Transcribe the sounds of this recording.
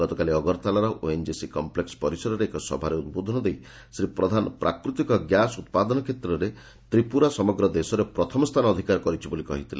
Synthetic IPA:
ɡ̥ɔt̪ɔkaliɔɡɔɾt̪alaɾɔʔoend͡ʒisikɔmplekspɔɾisɔɾɔɾeːkɔsɔ̰bʱaɾeunbod̪ʱɔnɔd̪ej | sɾipɾɔd̪ʱanɔpɾa̰kɾut̪ikɔɡjasut̪̚pad̪ɔnɔkʰet̪ɾɔɾe | t̪ɾipuɾasɔmɔɡɾɔd̪esɔɾepɾɔt̪ʰɔmɔst̪ʰanɔːd̪ʱikaɾkɔɾit͡ʃʰibolikɔɦit̪ʰila̰

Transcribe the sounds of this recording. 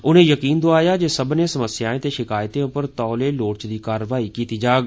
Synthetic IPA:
ʊnẽːjəkiːnd̪ʊaːjaːd͡ʒeːsəbnẽːsəməsɪjaːẽːt̪eːʃɪkaːjt̪ẽːʊpəɾt̪ɔːleːloːɽt͡ʃd̪iːkaːɾəʋaːiːkiːt̪iːd͡ʒaːɡ

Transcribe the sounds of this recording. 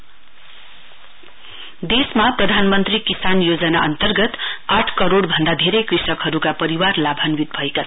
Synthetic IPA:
d̪esmaprʌd̪ʱanmʌnt̪rikisanjod͡zʌnaʌnt̪ʌrɡʌt̪aʈʰkʌɾoɽbʱʌnd̪ad̪ʱeɾʌjkrisʌkɦʌɾukapʌɾiwarlabʱʌnwit̪̚bʱʌekaʌ

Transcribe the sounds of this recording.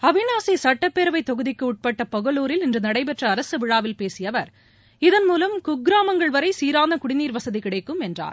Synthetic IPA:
ɐʋɪnaːsisɐʈːɐpːeːɾɐʋɐɪt̪ːɔɣɯðɪkːɯʊʈ̚pɐʈːɐpɔɣɐɭuːɾɪlɪndrɐnɐɽɐɪpɛʈrɐːɾɐsɯʋɪɻaːʋɪlpeːsɪjɐʋɐɾ | ɪðɐnmuːlɐmkʊɡɾaːmɐŋɡɐɭʋɐɾɐɪsiːɾaːnd̪ɐkʊɽɪniːɾʋɐsɐðikɪɽɐɪkːɯmɛndra̰ːɾ

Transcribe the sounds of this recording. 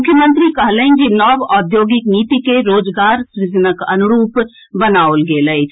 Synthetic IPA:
mʊkʰjəmənt̪ɾikəɦləɦind͡ʒinɔbɔd̪joːɡikniːt̪ikeɾoːd͡ʒɡaːɾsɾɪd͡ʒənəkə̰nuɾuːp | bənaolɡeləɪt͡ʃʰ

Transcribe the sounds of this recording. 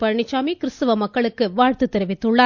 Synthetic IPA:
pɐɻɳɪt͡ʃːaːmikɪɾɯst̪ɐʋɐmɐkːɐɭɯkːɯʋaːɻt̪ɯt̪ːɛɾɪʋɪt̪ːɯɭːa

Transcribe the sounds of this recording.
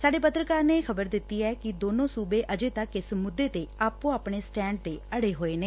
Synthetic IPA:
saːɖeːpət̪ɾəkaːɾneːxʰəbəɾd̪ɪt̪ːiːɛːkɪd̪oːnõːsuːbeːʔəd͡ʒeːt̪əkːɪsmʊd̪ːeːt̪eːaːpõːaːpɳeːsʈɛ̃ːɳɖ̚t̪eːəɽeːɦoːeːneː

